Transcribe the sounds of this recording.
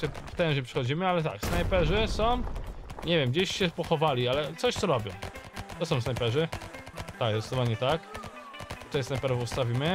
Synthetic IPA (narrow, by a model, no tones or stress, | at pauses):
ɛft̪ɛ̃w̃ʐɲɛpʂɘxɔd͡ʑimɘalɛt̪a̰ksnajpɛʐɘsɔ̃w̃ɲevʲjɛmɡd͡ʑeɕɕɛpɔxɔvalʲialɛt̪sɔɕt̪sɔɾɔbʲjɔ̃wt̪ɔsɔ̃w̃snajpɛʐɘ | t̪aɡzɔt̪sd̪ɔvaɲɛt̪ak | t̪ɛsnajpɛɾɔvust̪avʲimɘ